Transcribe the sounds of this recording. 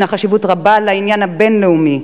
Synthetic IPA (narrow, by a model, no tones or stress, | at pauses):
naχaʃivutʁabalainjanhabe̞nleumi